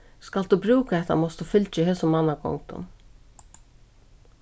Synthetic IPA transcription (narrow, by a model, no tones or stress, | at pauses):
skald̪ubɾʉːkaɛht̪a̰mɔst̪ufʏlt͡ʃɪɦɛːsʊmmanːakʰɔ̰ŋkt̪ʊ̰n